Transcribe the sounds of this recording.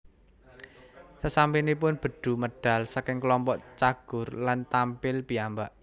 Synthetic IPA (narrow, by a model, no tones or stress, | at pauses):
səsampinip̬ʊnb̥ə̤ɖ̪̥ṳməɖ̥a̤lsakɪŋklɔmpɔʔt͡ʃaɡ̥ʊ̤rlant̪ampɪlb̥iambaʔ